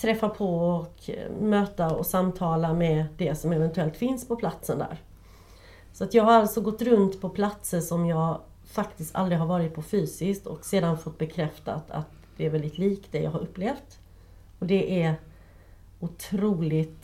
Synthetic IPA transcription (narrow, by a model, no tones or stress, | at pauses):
t̪ʰɾɛfːapʰɔɔkmøːt̪aɔsamt̪ʰɑːlamɛd̪ɛsɔmɛvɛnt̪ɵɛlt̪fɪnspʰɔpʰlat̪sənd̪æ̰ːɾ | sɔat̪jɑːɡɦaɾalt̪sɔɡɔt̪ːɾɵnt̪pʰɔpʰlat̪səʂɔmjɑːɡ | fakt̪ɪst̪ʰa̰lɾɪɦaɾvɑːɾɪt̪̚pʰɔfyːsɪskt̪ɔ̰kseːd̪anfɔt̪̚ːbɛkʰɾɛft̪a̰t̪ʰa̰t̪ | d̪̥ɛːɾvɛld̪ɪt̪ʰliːkd̪ɛjɑ̰ɡhaɾɵpːleːft̪ | ɔd̪ɛʔæɾ | ʊt̪ʰɾuːlɪt̪